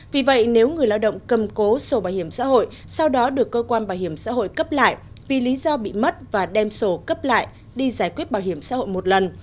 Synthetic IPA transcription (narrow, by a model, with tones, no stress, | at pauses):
vi˨˩və̰˧˨jne˨˦wŋɨ˨˩əjlaː˧wɗə̰˧˨ŋ͡mkə˨˩mko˨˦so˨˧˩ɓaː˧˩whi˧˩əmsa̰ː˧˥ɦo̰˧˨j | sa˧wɗɔ˨˦ɗɨ˨˩əkːəː˧kwaː˧nɓaː˧˩whi˧˩əmsa̰ː˧˥ɦo̰˧˨jkə˦˥p̚la̰ː˧˨j | vi˨˩li˨˦zɔ˧ɓḭ˧˨mə˦˥t̚vaː˨˩ɗɛ˧mso˨˩kə˦˥p̚la̰ː˧˨j | ɗi˧zaː˧˩jkwi˦˥ət̚ɓaː˧˩whi˧˩əmsa̰ː˧˥ho̰˧˨jmo˨˩t̚lə˨˩n